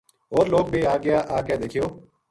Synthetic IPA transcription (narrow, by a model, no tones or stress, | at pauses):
ɦoːɾloːɡ̚beːaːɡɪjaːʔaːkeːd̪eːkʰijoː